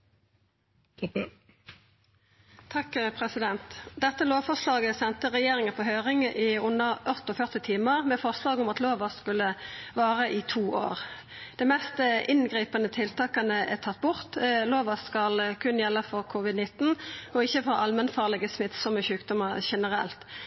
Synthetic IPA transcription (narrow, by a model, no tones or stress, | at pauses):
t̪ʰɑkpʰʁɛsɪd̪ɛnt̪d̪ɛt̪ːəloːʋfɔʁʂlɑːɡəsɛnt̪əʁɛjeːʁɪŋəpʰɔɦøːʁɪŋəʔɪʊnːəʁʔɔt̪ɔfœʁt̪ɪt̪ʰiːməʁmɛfɔʁslɑːɡʊmɑt̪loːʋɑskʉlːəʋɑːʁəʔɪt̪ʰuːʔo̰ːʁ | d̪̥ɛmɛst̪əʔɪnɡʁiːpənət̪ʰɪlt̪ʰɑːkənəɛt̪ʰɑt̪̚ːbʊʁt̪loːʋɑskɑlkʰʉnjɛlːəfɔʁkʰʊʋɪd̪nɪt̪n̩ɔɪçːəfɔʔɑlmɛnfɑːʁlɪɡəsmɪt̪sɔməçʉːkd̪ʊməʁʃɛnəʁɛ̰lt̪